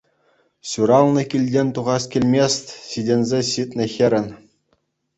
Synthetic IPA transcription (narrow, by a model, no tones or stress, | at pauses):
ɕuɾɑlˠnɤ̆kʲilʲdʲenʲt̪uʁɑskʲilʲmʲest̪ʲsidʲenʲzʲeɕit̪ʲnʲɘ̆xʲĕɾʲɘ̆nʲ